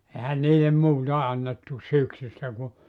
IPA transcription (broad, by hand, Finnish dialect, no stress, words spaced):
ehæn niːlem muːtɑ ɑnːetːu syksystæ ku